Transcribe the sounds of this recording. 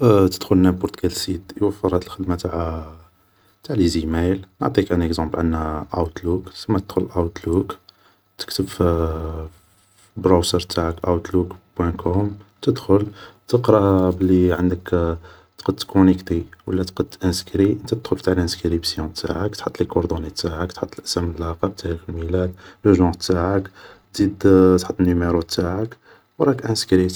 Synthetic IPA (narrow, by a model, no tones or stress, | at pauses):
t̪əd̪̥xʊlnæbʊɾt̪ɡælsit̪jwəfːəɾˤɑt̪əlxəd̪mat̪aʕ | t̪aʕlizimæjlnʕt̪ˤikʔænəkzɑ̃mbʕanːæʔawt̪luksəmːæt̪əd̪̥xʊlʔawt̪luk | t̪ə̥kt̪əbf | bɾawsəɾt̪ʰaʕəkʔawt̪lukbwæ̃kɔmt̪əd̪xʊlt̪əqɾˤɑbəlːiʕənd̪ək | t̪qəd̪t̪kunikt̪iwəlːæt̪qəd̪ʔænskɾiʔənt̪æt̪d̪xʊlft̪aʕlʔænskɾibsjɔ̃t̪ʰa̰ʕəkt̪ħət̪ˤːlikoɾd̪onit̪aʕəkt̪ħət̪ˤːəlʔəsæməlːɑqɑb̚t̪ʰæɾikəlmilæd̪ləʒɑ̃t̪aʕək | zid̪t̪ħət̪ˤːənːimeɾut̪ʰaʕək | wɾˤɑkʔænskɾi